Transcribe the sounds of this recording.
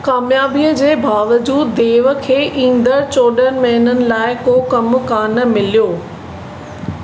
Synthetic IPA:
kaːmjaːbiəd͡ʑeːbaːʋəd͡ʑuːd̪ːeːʋəkʰeːʔĩːnd̪əɾt͡ɕoːɗənmɐɦɪnənɪ̆laːɪkoːkɐmʊkaːnə̆mɪlijoː

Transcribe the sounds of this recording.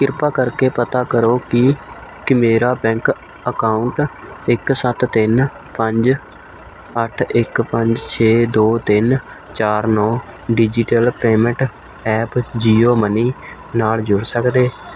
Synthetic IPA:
kɪɾpaːkəɾkeːpət̪aːkəɾoːkɪkɪmeːɾaːbɛ̃ːŋk | əkaːʊɳʈ | ɪksət̪t̪ɪn | pəɲd͡ʒ | əʈʰɪkpəɲd͡ʒt͡ʃʰeːd̪oːt̪ɪn | t͡ʃaːɾnɔ̃ː | ɖid͡ʒɪʈəlpeːmə̃ɳʈ | ɛːpd͡ʒiːoːməniː | naːld͡ʒʊɽsəkd̪eː

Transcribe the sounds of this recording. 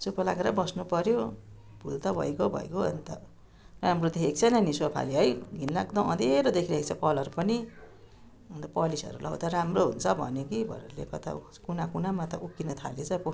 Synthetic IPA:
supʌla̰ɡeɾʌbʌsnupʌɾjo | bʱult̪ʌbʱʌ̰jkobʱʌ̰ekoʌ̰nt̪ʌ | ramrod̪eekt͡sʰʌnʌniswapʰa̰liɦʌjɡʱinlaɡd̪ʌʌd̪eɾod̪ekʰiɾait͡sʰʌkʌlʌɾupʌni | nd̪ʌpʌlisʌ̰ɾulʔawt̪ʌɾamroɦunt͡sʰʌbʱʌ̰njokibʱʌ̰ɾelḛkʌt̪ʰa̰ | kunakunamat̪ʌ̰ʔukːinʌt̪ʰalet͡sʌpo

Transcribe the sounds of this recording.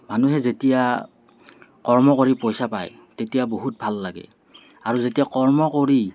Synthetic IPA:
manuɦɛzetija | kɔɹmɔkoɹipojsapa̰j | tetijaboɦut̚bʱalːaɡɛ̰ | aɹuzetijakɔɹmɔkoɹi

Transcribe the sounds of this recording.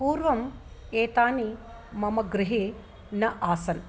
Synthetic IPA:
puːɾʋɐm | eːt̪aːni | mɐmɐɡɾɪɦeː | nɐʔaːsɐn

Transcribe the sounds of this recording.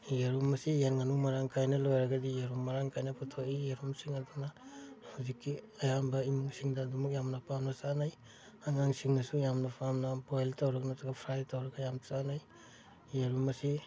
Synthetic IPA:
jeɾumɐsijenŋɐnuŋmɐɾaŋkʰajnɐlojɾɐɡɐdijeɾumːɐɾaŋkʰajnɐpʰɔtʰokijeɾumsiŋɐdunɐhuzikːi | ɐjambɐimuŋsiŋdɐːdumuk̚jamnɐpʰamnɐsanaj | aŋaŋsiŋnɐsujamnɐpʰamnɐpojltawɾɐknazɐɡɐpʰɾajtawɾɐɡɐjamt͡ʃanaj | jeɾumɐsi

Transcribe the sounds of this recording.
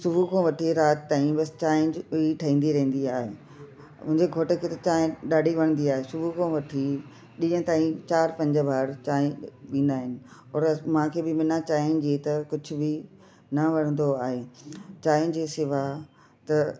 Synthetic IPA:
sʊbʱukʰõʋɐʈʰiɾaːt̪t̪ːaːĩbɐst͡ɕaːɪ̃d͡ʑʊiʈʰɐɦĩːnd̪iɾɐɦĩn̆d̪iaːɦe | mʊ̃ɦɪ̃ɲd͡ʑeɡʱoːʈəkʰeːt̪ɐt͡ɕaːɪ̃ɗaːɖʱiʋɐɽ̃nd̪iaːɦesʊbʱukʰõːʋɐʈʰi | ɗĩjə̃t̪aːĩt͡ɕaːɾpɐ̃ɲd͡ʑəbʱaːɾt͡ɕaːɪ̃ɗĩːnd̪aːɦɪnɪ̆ɔːɾmãːkʰeːbɪmɪnat͡ɕaːɪ̃nd͡ʑeːt̪ɐkʊd͡ʑʱʊ̆bɪ | nɐʋɐɽ̃ə̃nd̪oaːɦet͡ɕaːj̃d͡ʑiːsɪʋa | t̪ɐ

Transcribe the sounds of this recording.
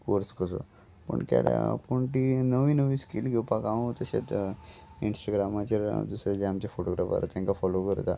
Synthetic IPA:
koɾskəso̰ | pə̰ɳkɛ̰lja̰pəɳʈinəʋinəʋiskilɡepakaõt̪əɕḛt͡s | insʈaɡɾamat͡ɕəɾd̪usɾad͡ʑeamt͡ɕafoʈoɡɾafa̰ɾa̰t̪jãŋkafɔlokəɾt̪a̰

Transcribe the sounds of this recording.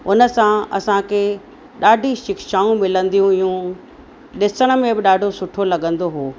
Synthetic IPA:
ʊnə̆sãɐ̰sãkʰe | ɗaːɖʱiʃɪkʃaːũmɪlə̃nd̪ijũɪjũ | ɗɪsəɽ̃ə̆mẽbɪɗaːɖʱosʊʈʰolɐɠə̃nd̪oɦoː

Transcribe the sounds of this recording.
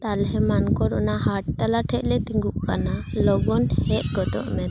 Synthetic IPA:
t̪alɦɛmankɔɽɔnaɦaʈ̚t̪alaʈʰɛʔlɛt̪iŋɡuʔkanalɔɡɔnhɛʔ̚ɡɔt̪ɔ̰ʔmɛt̪

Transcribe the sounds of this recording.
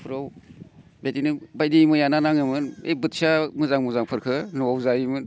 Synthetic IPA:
pʰɾow | betinɯbajdimɯjananaŋɯmɯnḛjbɯt̚samɯzaŋmɯzaŋpʰɯɾkʰɯnɔwawzaimɯn

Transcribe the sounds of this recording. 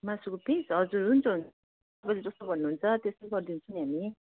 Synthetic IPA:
masukopisɦʌd͡zuɾunt͡sʰʌɦun | tt̪ʌpajled͡zʌst̪obʱʌnːuɦːnt͡sʰʌt̪esoɡʌɾd̪int͡sʰunɦami

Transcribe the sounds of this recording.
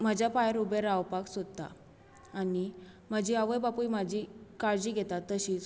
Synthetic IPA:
məd͡ʑjapajəɾubeɾawpaksod̪̚t̪a̰ː | ni | məd͡ʑʱiːaʋəjbapujmad͡ʑʱikaɾd͡ʑiːɡʱet̪at̪ːəɕiːt͡s

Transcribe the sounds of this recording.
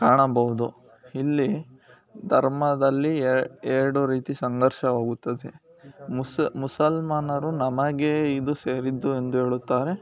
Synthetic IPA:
kaːɳɐbɐɦud̪u | ilːi | d̪ʱɐɾmɐd̪ɐlːieːɾɐɽuɾiːt̪isɐŋɡɐɾʃɐoːɡut̪ːɐd̪e | smusɐlmaːnɐɾunɐmɐɡeid̪useːɾid̪ːue̞nd̪uɦe̞ːɭut̪ːaːɾe̞

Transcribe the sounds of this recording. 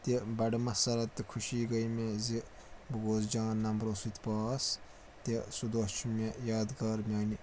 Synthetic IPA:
t̪ebɐɖmɐsɐɾɐt̪ːkʰuʃiːɡɐjmezi | bɐɡoːzd͡ʒãːnːɐmɾoːsit̪paːs | t̪esud̪ot͡ʃʰumʲejaːd̪ɡɐɾmʲjaːni

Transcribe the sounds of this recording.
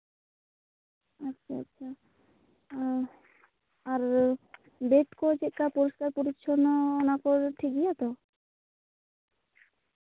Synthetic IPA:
atːʃʰaa̰tːʃʰa | ɾ | beʈkɔd͡ʒɛʔ̚kapɔɾiskaɾpuɾiʃʰɔnɔːnakɔɾʈʰiɡijat̪ɔ

